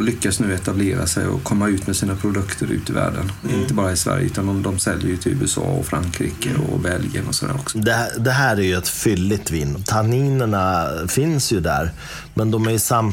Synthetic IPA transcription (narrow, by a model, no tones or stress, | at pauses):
lʏkːasnʉ̟ːɛt̪ableːɾa̰sɛjɔ̰kʰɔmːaʉ̟ːt̪mɛsiːnapʰɾʊd̪ɵkt̪ʰəɾʉ̟ːt̪ɪvæ̰ːɖənɪnt̪əbɑːɾaɪsvæ̰ɾjə̰ʉ̟ːt̪and̪ɔmd̪ɔmsɛlːəɾjɵt̪ʰɪlʉːɛsɑ̰ːɔfɾaŋkʰɾiːkəɔ̰bɛljənɔsɔd̪æ̰ːɾɔksɔ̥d̪ɛd̪ɛɦæːɾæɾjɵɛt̪fʏlːɪt̪viːnːt̪ʰaniːnəɳafɪnsjɵd̪æ̰ːɾ | mɛnd̪ɔmæɾjɵsam